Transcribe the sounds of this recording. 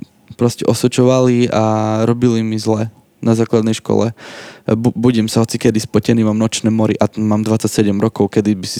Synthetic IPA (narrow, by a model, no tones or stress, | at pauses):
pɾɔscɛʔɔsʋɛt͡ʃɔʋaliaɾɔbilimizlɛ | nazaːklad̪nɛjʃkɔ̰lɛbubuɟɛmsaɦɔt͡sikɛd̪ispɔcɛnimaːmnɔt͡ʃnɛːmɔɾiʔamaːmd̪ʋat͡sːacsɛɟɛmɾɔkɔʊkɛd̪ibisi